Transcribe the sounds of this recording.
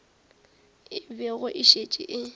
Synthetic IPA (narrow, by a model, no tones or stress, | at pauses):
ɪbɛɣʊʔɪʃet͡ʃʼɪ̰ʔɪ